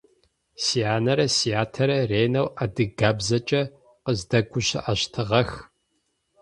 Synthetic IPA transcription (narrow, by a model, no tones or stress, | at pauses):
siaːnɐɾɐsiaːtʰɐɾɐreːnɐwadɨɡaːbzɐt͡ʃʼɐ | qəzdɐɡʷʊɕɪ̰ʔɐɕtʰɨʁɐx